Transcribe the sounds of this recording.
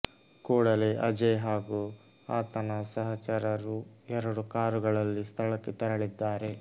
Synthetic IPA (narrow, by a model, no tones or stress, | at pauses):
koːɽɐleʔɐd͡ʒɐɦaːɡu | aːt̪ɐnɐsɐɦɐt͡ʃɐɾɐɾuɛɾɐɽukaːɾuɡɐɭɐlːist̪ʰɐɭɐkːet̪ɐɾɐɭid̪ːaːɾe̞